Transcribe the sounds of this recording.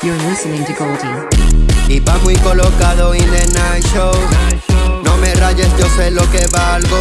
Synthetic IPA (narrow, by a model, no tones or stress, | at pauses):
jə̃nlɪsənɪ̃ŋtɨkolti | iβamwuijkolokaðoindenajʃo | nomeraʝesd͡ʒoselokeβalɣo